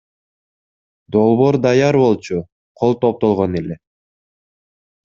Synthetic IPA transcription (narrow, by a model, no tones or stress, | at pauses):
d̪o̞lˠβo̞ɾd̪ɑjɑɾβo̞lˠt͡ʃu | qʰolˠt̪op̚t̪o̞lˠʁone̞le̞